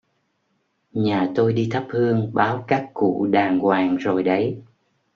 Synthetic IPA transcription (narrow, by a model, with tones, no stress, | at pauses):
ɲaː˨˩t̪o˧jɗi˧t̪ʰə˦˥p̚hɨ˧əŋɓaː˨˦wkaː˦˥kːṵ˧˨ɗaː˨˩ŋɣwaː˨˩ŋzo˨˩jɗə˨˦j